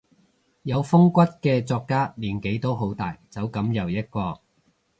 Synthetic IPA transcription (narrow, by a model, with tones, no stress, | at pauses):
jɐ˨˧wfʊ˥ŋkʷɐ˥t̚kɛː˧t͡sɔː˧kːaː˥liː˨˩nke˨˥jt̪o˥wɦo˨˥wt̪a̰ː˨jt͡sɐ˨˥wkɐ˨˥mjɐ˨wjɐ˥t̚kʷɔː˧